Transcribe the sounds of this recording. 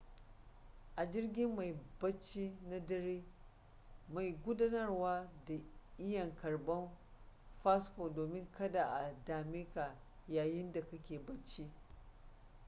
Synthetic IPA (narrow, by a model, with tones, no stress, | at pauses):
ʔa˨d͡ʒɪ˦rɡʲɪ˦mːa˨jbɐ˦t͡ʃːi˦na˦dɐ˦ɾiː˦ | ma˨jɡʷʊ˦daː˦nɐ˦rwaː˦da˨ʔɪ˦jɐ˨ŋkɐ˨rbɐ˦nɸa˦sko˨doː˨mɪ˦ŋkɐ˦da˨ʔa˨daː˨mɪ˦ka˨ | jaː˨jɪ˦nda˨kɐ˦kʲeː˨bɐ˦t͡ʃːi˦